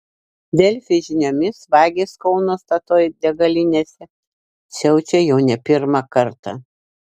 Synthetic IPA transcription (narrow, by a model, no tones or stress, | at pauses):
d̪ʲɛlʲfʲɪʒʲɪnʲoːmʲɪsʋɑːɡʲeːskɒʊnoːst̪ɐt̪oːjd̪ʲɛɡɐlʲɪnʲeːsʲɛ | sʲɛʊt͡ʃʲɛjɛʊnʲɛpʲɪɾmɑkɐɾt̪ɐ